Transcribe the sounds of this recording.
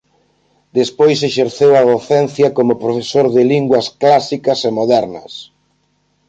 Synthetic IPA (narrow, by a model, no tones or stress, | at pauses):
d̪espojseʃeɾθewɐðoθɛn̟θjɐkomʊpɾofesoɾðɪliŋɡwɐsklasikɐsemoðɛɾnɐ̰s